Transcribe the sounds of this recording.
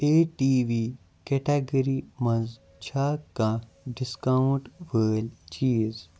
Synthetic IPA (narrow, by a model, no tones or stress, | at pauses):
eːʈiːʋi | keʈaːɡəɾimɐ̃nz | t͡ʃʰaːkã | ɖɪskauɳʈʋəːlt͡ʃiːz